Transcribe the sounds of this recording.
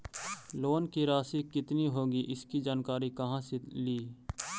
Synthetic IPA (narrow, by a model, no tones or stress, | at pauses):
loːnkiɾaːsikɪt̪niɦoːɡiʔɪskid͡ʒaːnkaːɾikɐɦãseliː